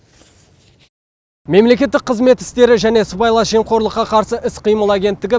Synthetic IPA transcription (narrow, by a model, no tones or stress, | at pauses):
me̞mle̞kʲe̞t̪ːɪk̚qʰːəzme̞t̪ɪ̥st̪e̞ɾɪʒæne̞sʊpɑjlˠɑʒe̞mqʰo̞ɾlˠəqːɑqʰɑɾsəʔɪsqʰijməlˠæɡʲe̞nt̪ːɪɡʲɪ